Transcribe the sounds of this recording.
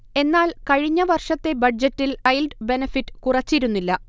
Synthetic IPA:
e̞nːaːlkɐɻiɲːɐʋɐrʂɐt̪ːe̞bɐɖd͡ʑɐtːilɐjlɖbe̞nɐfitːɨ̥kurɐt͡ɕːiɾunːilːɐ

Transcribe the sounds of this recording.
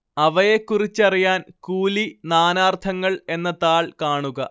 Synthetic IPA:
ɐʋɐjekːurit͡ɕːɐrijaːnkuːlinaːnaːrt̪ʰɐŋːɐɭe̞nːɐt̪aːɭkaːɳuɣɐ

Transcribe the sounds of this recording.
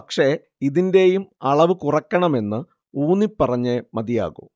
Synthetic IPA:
ɐkʂe̞ | iðinde̞jumɐɭɐʋɨkurɐkːɐɳɐme̞nːɨ | uːnipːɐrɐɲːemɐd̪ija̰ːɣṵ

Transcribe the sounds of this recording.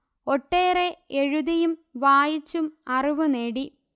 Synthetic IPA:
oʈːeːreeɻuðɐjumʋaːjit͡ɕːumɐriʋuneːɽi

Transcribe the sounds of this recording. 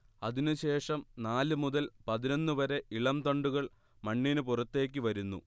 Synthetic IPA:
ɐðinɨɕe̞ːʂɐmnaːlɨmuðɐlpɐðino̞nːɨʋɐɾe̞ʔiɭɐmt̪ɐɳɖuɣɐɭ | mɐɳːinɨpurɐt̪ːe̞ːkʲːɨʋɐɾunːṵ

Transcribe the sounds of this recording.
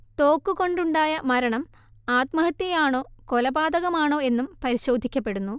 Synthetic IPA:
t̪o̞ːkːuko̞ɳɖuɳɖaːjɐmɐɾɐɳɐm | aːt̪mɐɦɐt̪jɐjaːɳo̞ːko̞lɐbaːd̪ɐɣɐmaːɳo̞ːe̞nːumpɐɾiɕo̞ːd̪ʱikʲːɐpːe̞ɽunːu

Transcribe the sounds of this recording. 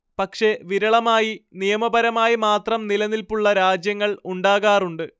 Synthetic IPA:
pɐkʂe̞ʋiɾɐɭɐmaːjinijɐmɐbɐɾɐmaːjimaːt̪rɐmnilɐnilpuɭːɐɾaːd͡ʑjɐŋːɐɭuɳɖaːɣaːruɳɖɨ

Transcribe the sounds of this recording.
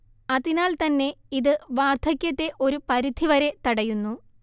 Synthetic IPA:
ɐðinaːlt̪ɐnːe̞iðɨʋaːrd̪ʰʱɐkʲːɐt̪ːe̞ʔo̞ɾupɐɾid̪ʱiʋɐɾe̞t̪ɐɽɐjunːu

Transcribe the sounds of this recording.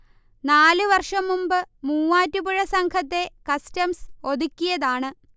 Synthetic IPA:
naːlɨʋɐrʂɐmːumbɨmuːaːtːubuɻɐsɐŋkʰɐt̪̬ːe̞kɐstɐmso̞d̪ukʲːijɐðaːɳɨ

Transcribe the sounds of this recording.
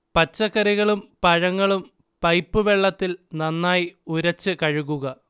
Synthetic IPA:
pɐt͡ɕːɐkːɐɾiɣɐɭumpɐɻɐŋːɐɭum | pɐjpːɨʋe̞ɭːɐt̪ːilnɐnːaːjiuɾɐt͡ɕːɨkɐɻuɣuɣɐ

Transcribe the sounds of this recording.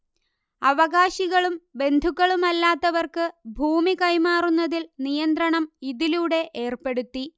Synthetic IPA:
ɐʋɐɣaːɕiɣɐɭumbe̞nd̪ʱukːɐɭumɐlːaːt̪ːɐʋɐrkɨbʱuːmikɐjmaːrunːɐðilnijɐnd̪ɾɐɳɐmiðiluːɽe̞ʔe̞ːrpe̞ɽut̪ːi

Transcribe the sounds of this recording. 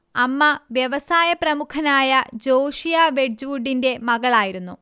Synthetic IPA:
ɐmːɐʋjɐʋɐsaːjɐprɐmukʰɐnaːjɐd͡ʑo̞ːʂijaʋe̞d͡ʑuːɖːinde̞mɐɣɐɭaːjiɾunːu

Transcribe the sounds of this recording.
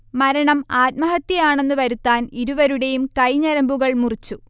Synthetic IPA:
mɐɾɐɳɐmaːt̪̚mɐɦɐt̪ːjɐjaːɳe̞nːɨʋɐɾut̪ːaːniɾuʋɐɾuɽe̞jumkɐjɲɐɾɐmbuɣɐɭmurit͡ɕːu

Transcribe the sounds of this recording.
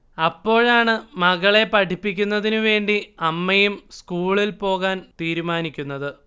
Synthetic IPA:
ɐpːo̞ːɻaːɳɨmɐɣɐɭe̞pɐʈʰipːik̬ʲːunːɐðinuʋe̞ːɳɖiɐmːɐjumskuːɭilpo̞ːɣaːnt̪iːɾumaːnikʲːunːɐðɨ

